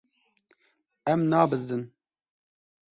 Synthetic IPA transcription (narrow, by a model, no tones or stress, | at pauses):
ɛmnɑːbɨzd̪ɨn